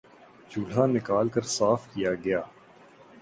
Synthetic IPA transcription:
d͡ʒuːɽ̤anɪkaːlkɐɾsaːfkijaɡɐjaː

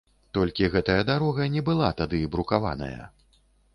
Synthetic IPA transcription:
t̪ɔlʲkʲiɣɛt̪ɐjɐd̪aɾɔɣɐnʲɛbɨlˠat̪ad̪ɨbɾukava̰nɐ̰jɐ̰

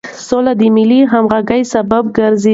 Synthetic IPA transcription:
solad̪əmɪliɦamɣaɡajsababɡaɾze

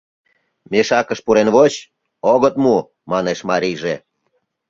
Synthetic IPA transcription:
meʃɑkəʃpuɾenβot͡ɕ | oɣət̪mu | mɑneʃmɑɾijʒe

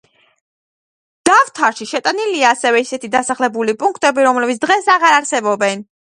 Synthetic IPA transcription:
d̪̥avt̪ʰaɾʃiʃɛt̪ʼaniliaːsɛvɛisɛt̪ʰid̪asaχlɛbulipʼuŋkʰt̪ʼɛbiɾɔmlɛbit̪s̚ʰd̪ʁɛsaʁaɾaɾsɛbɔbɛn

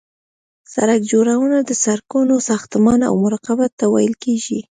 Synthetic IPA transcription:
sa̰ɾak̚d͡ʒoɾawənad̪əsaɾkunosɑxt̪mɑna̰wmʊɾɑqabat̪ːawɑ̰jəlkeʒi

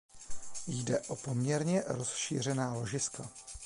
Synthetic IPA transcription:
jdɛʔo̞po̞mɲɛɾɲɛɾosʃḭːr̝ɛnaːlo̞ʒɪska

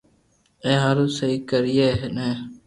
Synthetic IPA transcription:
ẽːɦaɾũːsəiːkəɾɪjeːɦnẽː

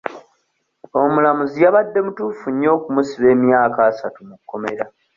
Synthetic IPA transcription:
o̞mulamuzijaβadːe̞mutuːfuɲːo̞ːkumusiβe̞ːmjaːkaːsatumukːo̞me̞̰ɾa

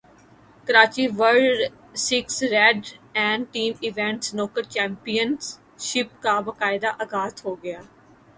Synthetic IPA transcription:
kɐɾaːt͡ʃiʋəɾɖɖ | sɪksɾɛɖɛ̃ːɳɖʈiːmɪʋɛ̃ɳʈsnɔːkəɾt͡ʃɛ̃ːmpijəns | ʃɪpkabɐkaːɪd̪aʔɐɡaːt̪ɦoːɡɐjaː

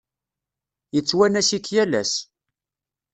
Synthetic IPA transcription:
jət͡sːwænæsikːjælæ̰s

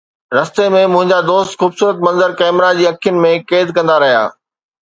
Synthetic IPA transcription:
ɾɐst̪emẽmʊ̃ɦɪ̃ɲd͡ʑad̪oːst̪xuːbsuːɾət̪mɐ̃nzəɾkɛːmɾad͡ʑiːɐkʰijʊnɪ̆mẽkeːd̪kɐ̃nd̪aɾɐɦija̰ː

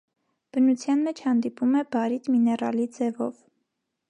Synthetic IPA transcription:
b̥ənut͡sʰjɑnmɛt͡ʃʰhɑnd̪ipumɛbɑɾit̪minɛrɑ̰lid͡zɛvɔ̰v

